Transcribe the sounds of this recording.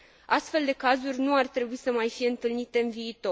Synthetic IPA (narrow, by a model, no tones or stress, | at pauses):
ʔast̪fe̞ld̪e̞kazurʲnuart̪ɾe̞buisəmajfije̞ɨnt̪ɨlnit̪e̞ɨnviːt̪o̞